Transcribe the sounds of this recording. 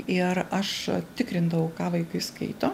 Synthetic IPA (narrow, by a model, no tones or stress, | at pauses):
ɪrɐʃt̪ʲɪkɾʲɪnd̪ɐʋɐʊkɑːʋɐɪkɐɪskɐ̰ɪt̪oː